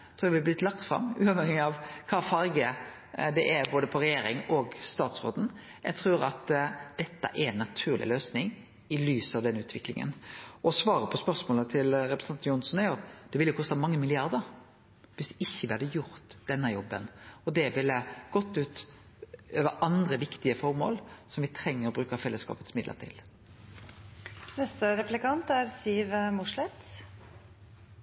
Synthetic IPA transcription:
t̪ʰɾuːɾɛʋɪlːəblɪt̪lɑk̚t̪fɾɑ̰mːʉ̰ːɑʋhɛŋɪɑʋkʰɑːfɑɾɡə | d̪ɛʔæɾboːd̪əpʰɔɾɛjeːɾɪŋɔɡst̪ɑːt̪sɾo̰ːd̪n̩ | jæ̰ɡt̪ʰɾuːɾɑt̪d̪̥ɛt̪ːə̰ʔɛɾɛnːɑt̪ʰʉːʁlʔɪ̰løːsnɪŋ | ɪlyːsɑʋd̪ɛnːʉːt̪ʰʋɪklɪ̰ŋə̰nʔɔsʋɑːɾəpʰɔspœɾsmoːlət̪ʰɪlɾɛpɾəsɑnjʊnsɔnæʊɑt̪d̪̥ɛʋɪlːəjʊkɔst̪əmɑŋːəmɪlɪɑɾd̪əɾ | ʋɪsd̪ɛʔɪçːəʋɪɑd̪əjʊɾt̪d̪̥ɛnːəjɔbːənɔd̪ɛʋɪlːəɡ̥ɔt̪ːʉːt̪ | øːʋəɾʔɑnd̪ɾəʋɪkt̪ɪəfɔɾmo̰ːlsɔmʋɪt̪ʰɾɛŋːəɾɔbɾʉːkəfɛlːəskɑ̰ːpət̪smɪd̪lə̰ɾt̪ʰɪ̰l | nɛst̪əɾɛplɪkɑnt̪æɾsiːʋmʊʂlɛt̪

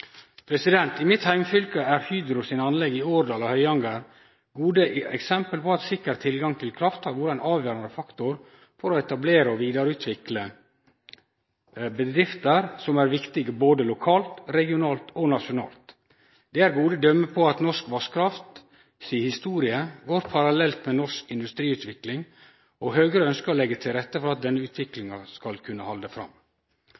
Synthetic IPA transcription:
pʰɾɛsɪd̪ɛnt̪ɪmɪt̪hæɪmfʏlkəæɾhyːd̪ɾʊsɪnɑnlɛɡːɪoːɾd̪ɑːlɑhœʏɑŋɡɑɾ | ɡuːd̪əɛksɛmpəlpɔɑt̪sɪkːəɾt̪ʰːɪlɡɑŋt̪ʰɪlkʰɾɑft̪ɑɾʋʊɾɑɛnɑːʋjøːɾɑnd̪əfɑkt̪ʊɾ | fɔɾɔɛt̪ɑbleːɾəɔʋiːd̪ɑɾəʉːt̪ʰʋɪklə | bəd̪ɾɪft̪əɾsɔmæɾʋɪkt̪ɪɡəboːd̪əlʊkʰɑːlt̪ɾɛɡɪʊnɑːlt̪ʰɔnɑʃʊnɑ̰ːlt̪ | d̪̥ɛæɾɡuːd̪əd̪œmːəpʰɔɑt̪nɔʂkʋɑʂkʰɾɑft̪ | siːhɪst̪uːɾɪəɡoːɾpʰɑɾɑlɛlt̪mɛnɔʂkɪnd̪ʉst̪ɾiːʉːt̪ʋɪklɪŋ | ʔɔɦøːɡɾəœnskəɔlɛɡːət̪ʰɪlɾɛt̪ːəfɔɾɑt̪̚d̪ɛnːəʉːt̪ʰʋɪklɪŋɑskɑlkʰʉnːəhɑld̪əfɾɑ̰m

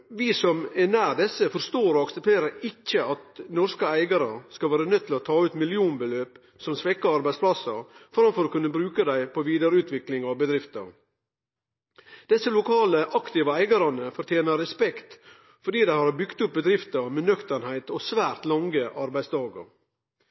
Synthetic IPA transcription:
ʋɪsɔmɛnæːɾd̪ɛsːəfɔɾst̪oːɾɔɑksɛp̚t̪ʰeːɾəɾɪcːəɑt̪nɔɾskəæɪɡɑɾəskɑlʋæːɾənœt̪ʰːɪlɔt̪ʰɑːʉːt̪mɪlɪuːnbəløːp | sɔmsʋɛkːəɑɾbæɪspʰlɑsəɾfɔɾɑmfɔɾoːkʉnːəbɾʉːkəd̪æɪpʰɔʋiːd̪ɑɾəʉːt̪ʋɪklɪŋɑʋbəd̪ɾɪft̪ə̰ɾ | d̪̥ɛsːəlʊkʰɑːləʔɑkt̪ɪːʋəæɪɡɑɾɑnəfɔɾt̪ʰjeːnəɾɛspɛkt̪ | fɔɖiːd̪æɪhɑɾbʏɡt̪ʊp̚bəd̪ɾɪft̪əmɛnœkt̪ənhæɪt̪ɔsʋæːɾt̪lɑŋɡəʔɑɾbæɪst̪ɑːɡə̰ɾ

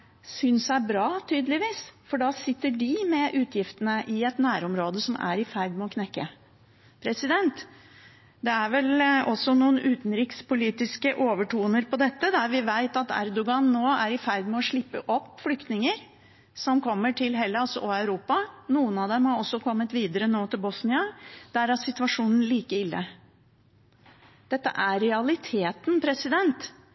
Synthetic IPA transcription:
sʏnsæbɾɑːt̪ʰyːd̪əlɪʋiːsfɔɖɑːsɪt̪ːəɖɪmɛʔʉːt̪ʰjɪft̪ənəʔɪɛt̪næːɾɔmɾoːd̪əsɔmæ̰ɾɪfæɾd̪mɛɔkʰnɛkːə | pʰɾɛsɪd̪ɛnt̪ | d̪ɛæɾʋɛlɔsːɔnuːənʔʉːt̪nɾiːkspʊliːt̪ɪskəʔoːʋəʈuːnəɾpʰɔd̪ɛt̪ːəd̪æɾʋɪʋæɪt̪ɑt̪æ̰ɾd̪ʊɡɑnːoːæɾɪfæɾd̪mɛɔʂɭɪpːəʔɔpːflʏkt̪nɪŋəɾ | sɔmkʰɔmːəʈʰɪlɦɛlːəɔsɔʔɔæʉɾuːpɑnuːənɑʋd̪ɛmhɑɔsːɔkʰɔmːət̪ʋiːd̪əɾənoːt̪ʰɪlbɔsnɪɑd̪̥æɾæsɪt̪ʋɑʂuːnən̩liːkəɪlːə̰ | d̪̥ɛt̪ːə̰ʔæːɛɑlɪt̪ʰeːt̪npʰɾɛsɪd̪ɛnt̪

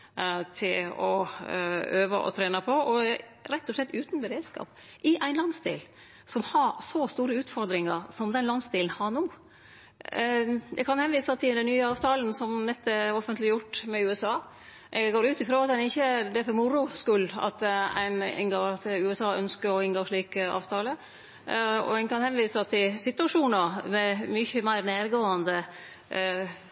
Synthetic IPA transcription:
t̪ʰɪlɔ | øːʋə̰ʔɔ̰t̪ʰɾeːnɑpʰɔʔɔɾɛt̪ːɔʂɭɛt̪ːʉːt̪nbəɾeːd̪skɑ̰ːp | ʔɪʔæɪnlɑnsd̪ḭːl | sɔmhɑɾsɔst̪uːɾəʉːt̪fɔɾd̪ɾɪŋɑɾsɔmd̪ɛnlɑnsd̪iːln̩hɑnuː | d̪ɛɡkʰɑnhɛnʋiːsɑt̪ʰɪld̪æɪnyːəɑːʋt̪ʰɑːln̩sɔmnɛt̪ːəɛɔfənt̪lɪjʊʈːmɛʉːɛsɑː | ʔɛɡɡoːɾʉːt̪ɪfɾoːɑt̪̚d̪ɛnɪçːəd̪ɛæfɔɾmʊɾʊskʉlɑ̰t̪æ̰ɪnɪ̰nɡoːt̪ʉːɛsɑːœnskəɾɔɪnɡoːʂɭiːkəɑ̰ːʋt̪ʰɑːlə | ɔ̰ɛkʰɑnhɛnʋiːst̪ʰɪlsɪt̪ʉɑʂuːnəɾmɛmʏçəmæɪɾneːɾɡoːɑnd̪ə

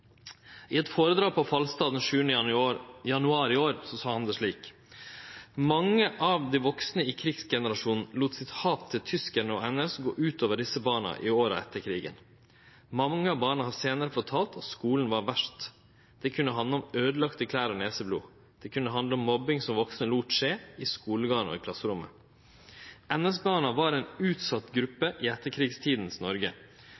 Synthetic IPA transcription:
ʔɪɛt̪foːɾəd̪ɾɑːpʰɔfɑlst̪ɑːd̪n̩ʃʉːənə | jɑnʉɑːɾɪoːɾsɔsɑːhɑnd̪ɛʂɭiːk | mɑŋːəʔɑʋd̪iʋɔksnəɪːkʰɾɪɡsɡɛnəɾɑʂuːnn̩luːt̪sɪt̪hɑːpt̪ʰɪlt̪ʰʏskənəɔ̰ɛnɛsɡo̰ːʔʉːt̪ʰoːʋəɖɪsəbɑːɳɑ̰ʔɪ̰oːɾə̰ɛt̪ːəɾkʰɾiːɡə̰n | mɑŋːəɑʋbɑːɳɑhɑseːnəɾəfɔʈʰɑːlt̪ʰɑt̪skuːln̩ʋɑɾʋæʂt | d̪̥ɛkʰʉnːəɦɑnd̪əɔmøːd̪əlɑkt̪əkʰlæːɾɔneːsəblṵː | d̪̥ɛkʰʉnːəɦɑnd̪ləɔmːɔbɪŋsɔmʋɔksnəluːt̪ʂeːɪskuːləɡɑːɳɔ̰ɪkʰlɑsːəɾʊmːə̰ | ɛnɛsbɑːɳɑʋɑɾɛːnʉːt̪sɑt̪ɡɾʉpːəʔɪɛt̪ːəɾkʰɾiːɡst̪ʰiːd̪n̩snɔɾɡə

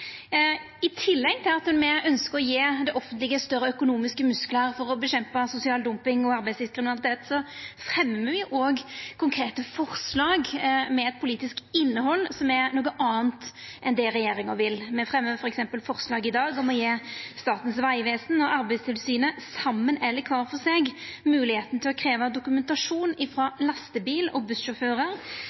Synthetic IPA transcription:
ɪt̪ʰɪlːɛɡ̚t̪ʰɪlɑt̪ɛnmɛœnskəɾɔjeːd̪ɛʔɔfənt̪lɪɡəst̪œɾəœkʊnuːmɪskəmʉskləɾfɔɾɔbəɕɛmpɑsʊsɪɑːld̪ʊmpɪŋɔɑɾbæɪsd̪ɪskʁɪmɪnɑlɪt̪eːt̪sɔfɾɛmːəʋɪʔoːɡkʰʊŋkʰʁeːt̪əfɔʁslɑːɡmɛɛt̪̚pʰʊliːt̪ɪskɪnːəɦɔlːsɔmɛnuːɡəʔɑːənt̪ | ʔɛnd̪ɛɾɛjeːɾɪŋəʋɪlmɛfʁɛmːəfɔɾɛksɛmpəlfɔʁslɑːɡɪd̪ɑːɡɔmɔjeːst̪ɑːt̪ən̩sʋæɪʋeːsn̩ɔɑɾbæɪst̪ʰɪlsyːnəsɑmːənɛlːəkʰʋɑːɾfɔseːɡmʉːlɪheːt̪nət̪ʰɪlɔkʰɾeːʋɑd̪ʊkʉmɛnt̪ɑʂuːnɪfɾɑːlɑst̪əbiːlɔ̰bʉst̪ʃɔføːɾəɾ

